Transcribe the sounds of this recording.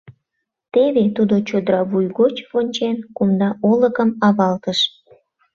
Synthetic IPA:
t̪eβet̪ud̪ot͡ɕod̪əɾɑβujɣot͡ɕβonʲt͡ɕenkumnɑʔoləkəmɑβɑlt̪əʃ

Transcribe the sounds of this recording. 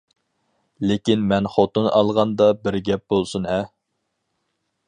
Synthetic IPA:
lekʲinmɛnχot̪unɑlˠʁɑnd̪ɑbɪɾɡʲɛp̚bolˠsunɦɛ

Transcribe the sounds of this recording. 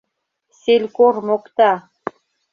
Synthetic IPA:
selʲkormokt̪ɑ

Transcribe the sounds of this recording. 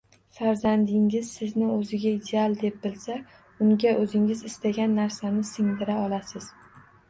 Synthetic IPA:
faɾzand̪ɪŋɪzsɪznɪɵzɪɡʲaid̪e̞alˠd̪e̞p̚bɪlsa | ʊŋɡʲaʔɵzɪŋɪzɪst̪aɡʲanːaɾsanɪsɪŋd̪ɪɾaɒlˠasɪz̥

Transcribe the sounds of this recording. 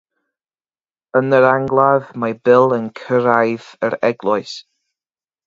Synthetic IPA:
ənəɾaŋɡlˠaðmabɪlˠənkʰəɾajðəɾɛɡlˠɔjs

